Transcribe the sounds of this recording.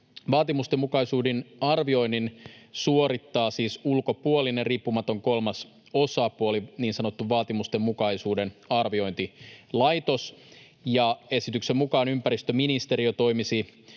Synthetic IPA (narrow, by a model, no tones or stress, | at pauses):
ʋɑːt̪imust̪emːukɑjsuːdinɑrʋio̞jnːinsuoɾit̪ːɑːsiːsulko̞puolinerriːpːumɑt̪o̞ŋko̞lmɑs | osɑpuoliniːnsɑno̞t̪ːuʋʋɑːt̪imust̪emːukɑjsuːdenɑrʋio̞int̪ilɑjt̪os | jɑe̞sit̪yksemmukɑːnympæɾist̪øminist̪e̞ɾiot̪o̞imisi